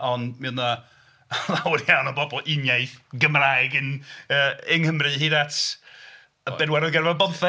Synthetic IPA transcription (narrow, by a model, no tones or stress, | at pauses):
ɔnmɛwna | lˠawɪrjawnɔbɔbɔlˠɪnjajθɡəmrajɡɨnəːɪŋhəmrɨɦiːðatʰ | ə̥ɛdwɛɾɔðɡɛrvabɔðθɛ